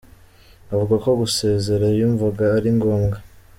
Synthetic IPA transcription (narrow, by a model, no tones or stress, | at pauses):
avuɡako̞ɡuse̞ːze̞ɾajuɱvuɡaːɾiŋɡo̞ːmɡa